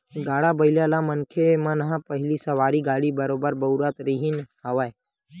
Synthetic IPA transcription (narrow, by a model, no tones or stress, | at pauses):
ɡaːɽaːbəɪljaːlaːmənkʰemãːnɦãːpəɦɪliːsəʋaːɾiːɡaːɽiːbəɾoːbəɾbəʊɾət̪ɾiɦɪnɦəʋaːe